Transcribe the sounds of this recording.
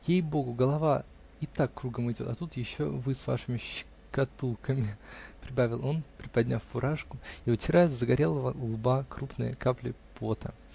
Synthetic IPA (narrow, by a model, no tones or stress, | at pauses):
jejbo̞ɡʊɡəlˠɐva | ɪt̪akːɾuɡəmɨɪjdʲo̞t̪ɐt̪ut̪jɪɕːo̞vɨsva̰ʂɨmʲɪɕɪ̥ | kɐt̪ulˠkəmʲɪpɾʲɪbavʲɪlˠo̞npɾʲɪpɐdʲnʲafːʊɾʔaʂkʊiʊtʲɪɾajzəɡɐɾʲelˠəvɐlˠbakɾupnɨ̰jə̰kaplʲɪpʰot̪ə̰